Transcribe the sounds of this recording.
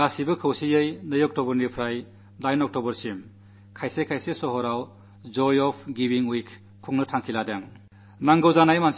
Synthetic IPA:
asibɯkʰɯwsijɯjnɯjɔk̚tɔbɔɾnipʰɾaj | lajnɔk̚tɔbɔɾsim | kʰajsekʰajsesɔɦɔɾaw | d͡ʒɔjɔpʰɡibiŋwijk | kʰːuŋnɯtʰaŋkʰiladeŋ | naŋɡɯwzanajmans

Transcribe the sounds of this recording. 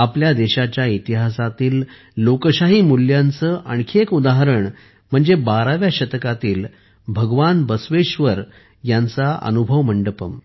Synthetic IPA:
apljad̪eɕat͡ɕjait̪iɦasat̪iːlː | okəɕaɦiːmuljãnt͡səːʔəɳkʰekud̪aɦəɾəɳ | m̤əɳd͡zebaɾaʋjaɕət̪kat̪iːl | bʱəɡʋanbəsʋeɕʋəɾ | jant͡saʔə̰nubʱəʋməɳɖəpəm

